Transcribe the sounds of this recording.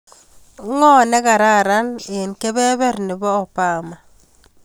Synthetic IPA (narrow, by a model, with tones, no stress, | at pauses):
ŋɔ˦nɛ˦ka˨ɾa˦˨ɾa˦ne˨nkɛ˦bɛ˦βɛ˦ɾnɪ˨bɔː˦˨paː˦ma˨